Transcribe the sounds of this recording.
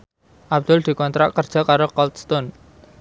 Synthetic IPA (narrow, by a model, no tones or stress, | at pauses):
ʔab̚d̪̥ʊld̪̥i̤kɔnt̪ɾa̰ʔkərd̥ʒ̥a̤kaɾokɔlt̪st̪on